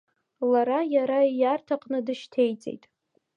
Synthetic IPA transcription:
laɾajaɾaijartʰaqʼnɨdɨʃtʰe̞jt͡sʼḛjtʼ

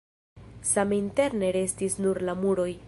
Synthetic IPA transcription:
saminte̞ɾne̞ɾe̞stisnuɾlamuɾo̞j

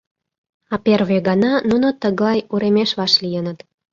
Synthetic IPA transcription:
ɑperβeɣɑnɑnunot̪əɣlɑjuɾemeʃβɑʃlijənət̪

